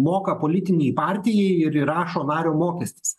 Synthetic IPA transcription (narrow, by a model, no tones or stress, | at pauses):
moːkɐpoːlʲɪt̪ʲɪnʲɛɪpɑːɾʲt̪ʲɪjɛɪɪɾɾɑːʃoːnɑːɾʲoːmoːkʲɛsʲt̪ʲɪ̥s